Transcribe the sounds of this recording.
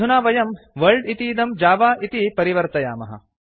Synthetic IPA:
unaːʋɐjɐmʋɐɭɖit̪iːd̪ɐmd͡ʒaːʋaːʔit̪ipɐɾiʋɐɾt̪ɐja̰ːmɐ̰ɦɐ̰

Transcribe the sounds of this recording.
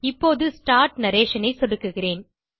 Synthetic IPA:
ɪpːoːðɯsʈaːɾʈnɐɾeːʂɐnɐɪsɔɽɯkːɯɣɪreːn

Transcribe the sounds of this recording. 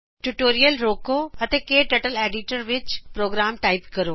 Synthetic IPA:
ʈuʈoːɾijəlɾoːkoɐt̪ekeːʈɐʈəleːɖɪʈəɾʋɪt͡ʃpɾoːɡɾaːmʈaːɪpkɐɾoː

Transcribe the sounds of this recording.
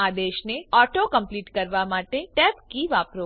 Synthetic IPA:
ad̪eʃneɔʈokəmpliʈkəɾʋamaʈeʈɛpkiʋapɾo

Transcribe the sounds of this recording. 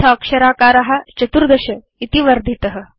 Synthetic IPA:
ɐːkʂɐɾaːkaːɾaɦat͡ʃɐt̪uɾd̪ɐɕɐ | it̪iʋɐɾd̪ʱit̪əɦə̆

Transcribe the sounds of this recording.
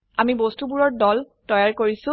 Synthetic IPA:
amibostubuɹɔɹdɔl | tɔjaɹkoɹisʊ̃

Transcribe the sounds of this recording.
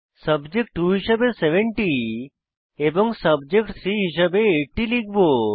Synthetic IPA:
sɐbd͡ʒek̚ʈːuɦiʃɐbeseʋẽɳʈi | ebɔ̃ŋɡsɐbd͡ʒekʈsɾiɦiʃ̬abeːʈːiliɡbo

